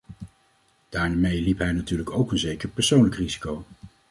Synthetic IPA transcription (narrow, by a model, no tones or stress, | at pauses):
d̥aːɹmejlipɦɛjnatyːɹləkowkənzejkəɹpɛɹsownləkrizi̥kow